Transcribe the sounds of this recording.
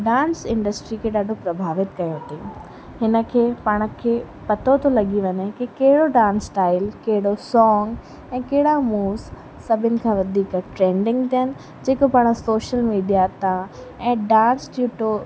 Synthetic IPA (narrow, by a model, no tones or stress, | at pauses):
ɖãːnsɪ̃ɳɖəsʈɾikʰeɗaːɖʱopɾɐbʱaːʋɪt̪̚kɐjot̪ʰĩː | ɦɪnə̆kʰeːpaːɽ̃ə̆kʰeː | pɐt̪ʰot̪ʰolɐɠiʋɐɲekikɐɦɪɽoɖãːnsʈaːɪlkɐɦɪɽosɔːŋɡ | ɛ̃ːkɐɦɪɽamuːz | sɐbʱɪnɪ̆kʰãːʋɐd̪ʱiːkʈɾẽːɳɖɪ̃ŋɡt̪ijənɪ̆ | d͡ʑeːkopaːɽ̃əsoːʃəlmiːɖijat̪ʰã | ɛ̃ːɖãːnsʈjuːʈo